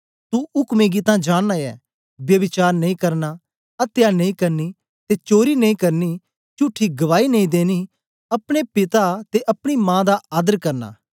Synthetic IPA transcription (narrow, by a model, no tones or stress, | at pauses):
t̪uʊkmeːɡit̪ãd͡ʒaːɽaɛ̰ː | bjɐʋɪt͡ʃaːɾnɐĩːkɐɾna | ɐt̪janɐĩkɐɾni | t̪et͡ʃoːɾinɐ̃ĩkɐɾni | t͡ʃʊʈʰːiɡɐʋaːinɐĩd̪eːni | ɐpɽ̃epɪt̪at̪eʔɐpɽ̃imãːd̪aʔaːd̪əɾkɐɾna̰ː